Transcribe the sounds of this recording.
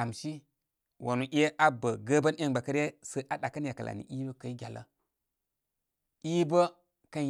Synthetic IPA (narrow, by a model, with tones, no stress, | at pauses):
a˨mʃi˦ | wʔa˨nu˨ʔʲe˦ʔa˦bə˨ɡə˦bə˦n˦e˦ŋba˨kə˦ɾe˦sə˦ʔa˨˦ɗa˨kə˦nja˨kə˨lʔa̰˨nḭ˨ʔi˦bə˦kə˨i˦ɡʲa˨lə̰˦ | i˦bə˦ | kə˦n